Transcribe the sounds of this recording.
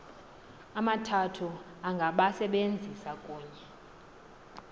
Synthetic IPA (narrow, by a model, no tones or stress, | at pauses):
amatʰatʰu | aŋɡʱaɓasɛɓend͡zʱisakʼuːɲɛ